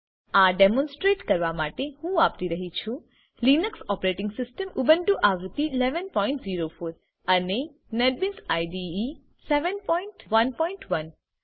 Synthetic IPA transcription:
aɖemɔ̃nsʈɾeʈkəɾʋamaʈehũapt̪iɾəɦit͡ʃʰũ | linəksɔpɾeʈɪ̃ŋɡsɪsʈəmubənʈuʔaʋt̪ilɛʋənpɔiɳʈziɾofoɾ | əne | neɖ̚binsajɖiː | seʋənpɔiɳʈʋənpɔiɳʈʋən

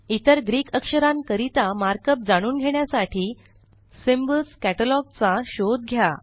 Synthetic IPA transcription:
it̪əɾɡɾiːkəkʂəɾãnkəɾit̪amaɾkəp̚d͡zaɽ̃uːnɡʱeɳjasaʈʰiː | simbəlskæʈəlɔɡ̚t͡saɕod̪̚ɡʱja

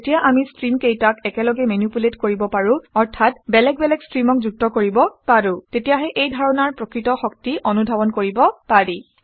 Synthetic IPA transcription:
etijaʔamistɹimkejtakɛkɛlɔɡɛmenupuletkoɹibɔpaɹʊ̃ɔɹtʰatbɛlɛk̚bɛlɛkstɹimɔk̚zuk̚tɔkoɹibɔpaɹʊ̃tetijaɦɛʔejdʱaɹɔnaɹpɹokɹitɔxɔk̚tiʔɔnudʱabɔnkoɹibɔpaɹi

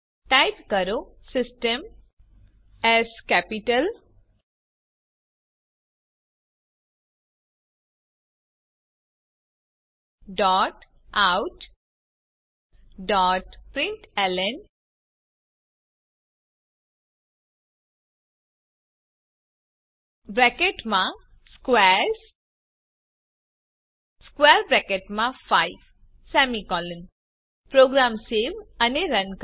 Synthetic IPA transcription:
ʈaɪpkəɾo | sɪsʈəm | ɛskɛpiʈəl | ɖɔːʈ | awʈ | ɖɔːʈpɾɪ̃ɳʈɛlen | bɾɛkeʈmã | skweɾs | skweɾbɾɛkeʈmãpʰajb | sɛmikɔlən | pɾoːɡɾamseʋɐniɾɐnk

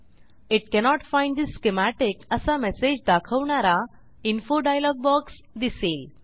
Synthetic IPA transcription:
iʈ̚kɛnɔʈfãj̃ɳɖd̪isːkemæʈekəsamɛsed͡ʑd̪akʰəʋɳaɾa | infoɖajlɔɡ̚bɔks | d̪isel

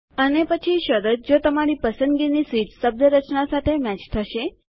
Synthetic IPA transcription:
ənepət͡ʃʰiʃəɾət̪̚d͡ʒot̪əmaɾipəsə̃nd̪ɡinisiʈsəb̚nəɾət͡ʃnasat̪ʰemɛt͡ʃt̪ʰəʃe

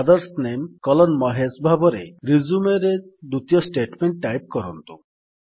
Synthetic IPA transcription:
ad̪ɔɾsnemkɔlɔnmɔɦesbʱabɔɾḛɾizumeɾed̪ut̪ijɔsʈeʈmeɳʈːajp̚kɔɾɔnt̪ṵ

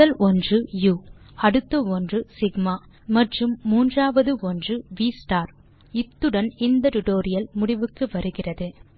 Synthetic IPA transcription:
ɐlʔɔndrɯjuː | ɐɽɯt̪ːɐɔndrɯsɪɡmaː | mɐʈrɯmːuːndraːʋɐðɯɔndrɯʋiːsʈaːɾ | ɪt̪ːɯɽɐnɪnd̪ɐʈʊʈoːɾɪjɐlmʊɽɪʋɯkːɯʋɐɾɯɣɪrɐðɯ

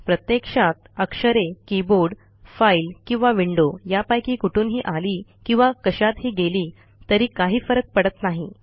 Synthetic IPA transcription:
pɾət̪jekʂat̪̚əkʂəɾekiboɾɽ | failkĩw̃ʋaʋiɳɖojapajkiːkuʈʰuːnɦiːʔaliːkĩw̃ʋakəɕat̪ɦiːɡeliː | t̪əɾiːkaɦiːfəɾək̚pəɽət̪naɦi

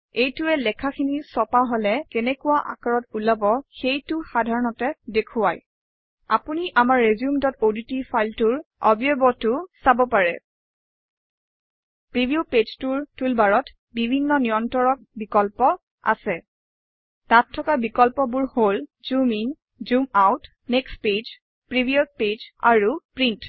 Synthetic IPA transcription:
ejtʊɛlɛkʰakʰinisɔpaɦolɛkɛnɛkʊwaʔa̰kaɹɔtulabɔxejtʊxadʱaɹɔnɔtɛdekʰʊaj | apuniʔamaɹːezjumtɔtoditifajltʊɹɔbijobɔtʊsabɔpaɹɛ | pɹibʱijuped͡ʒtuɹtulbaɹɔt | bibʱinːɔnijɔntɔɹɔk̚bikɔlpɔ | a̰sɛ | tatʰːɔkabikɔlpɔbuɹholzumin | zumawtʰ | neksped͡ʒ | pɹibʱiɔt̚ped͡ʒa̰ɹupɹint

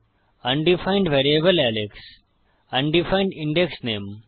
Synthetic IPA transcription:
ɐ̃nɖifãɪ̃ɳɖʋeːɾiebəlæleks | ɐ̃ɳɖifãɪ̃ɳɖĩɳɖeksneːm

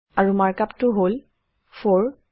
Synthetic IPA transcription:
aɹumaɹkaptʊɦol | fʰɔɹ

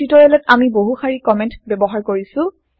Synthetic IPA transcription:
itɔɹɛlɛtamiboɦuxaɹikɔmɛ̃ntbɛbɔɦaɹkoɹisʊ̃

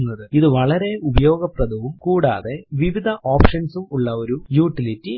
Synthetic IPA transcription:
nːɐðɨiðɨʋɐɭɐɾe̞ubɐjo̞ːɡɐprɐd̪ʱɐʋumkuːɽa̰ːðe̞ʋiʋid̪ʱɐʔoːpʂɐnsumuɭːɐo̞ɾujuːʈːilitːi

